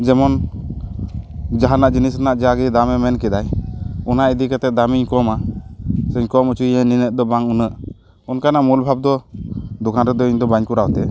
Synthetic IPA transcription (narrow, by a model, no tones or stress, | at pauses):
d͡ʒɛmɔn | d͡ʒaɦanaʔd͡ʒinisnaʔd͡ʒaɡid̪amɛmɛnkɛd̪ajɔnaʔid̪ikɛt̪ɛd̪amiɲkɔma | sɛɲkɔmut͡ʃujɛninəʔ̚d̪ɔbaŋunəʔ | ɔnkanaʔmulbʱab̚d̪ɔd̪ukʰanɾɛd̪ɔiɲd̪ɔbaɲkuɾawt̪ɛ